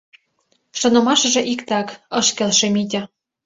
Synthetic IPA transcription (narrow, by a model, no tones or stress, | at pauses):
ʃɤ̆nɤ̆mɑʃɤ̆ʒĕʔikt̪ɑkɤ̆ʃkelʃemid̪ʲɘ̆